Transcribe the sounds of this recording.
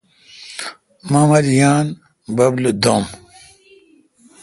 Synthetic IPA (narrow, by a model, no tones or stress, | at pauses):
mɐmɐɾjaːn | bɐblɨd̪om